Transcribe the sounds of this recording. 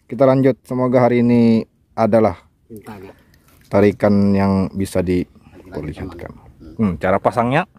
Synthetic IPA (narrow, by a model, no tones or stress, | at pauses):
kit̪alaɲd͡ʒʊt̪̚səmoɡaɦaɾiːni | adalah | t̪aɾikanjaŋbisadi | pərlihat̪̚ka̰nm̩t͡ʃaɾapasaŋɲa